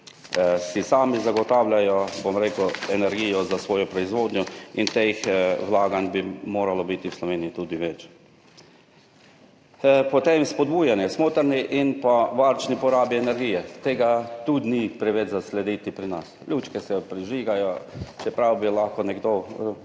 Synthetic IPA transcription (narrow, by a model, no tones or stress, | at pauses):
sisaːmizaɡɔt̪awlʲjajɔbomɾeːkʊɛnɛɾɡijɔzasʋoːjɔpɾɔizʋoːd̪njɔint̪exwlaːɡanʲbimoːɾalɔbit̪iwslɔʋeːniit̪ud̪iʋɛt͡ʃ | pɔt̪emspɔd̪̚buːjanjɛsmoːt̪əɾniʔinpaʋaɾt͡ʃnipɔɾaːbiɛnɛɾɡiːjɛt̪eːɡat̪ud̪nipɾɛʋed̪zaslɛd̪iːt̪ipɾinaslʲjut͡ʃkɛsɛpɾiʒiːɡajɔt͡ʃɛpɾawbilaxkɔnɛɡd̪o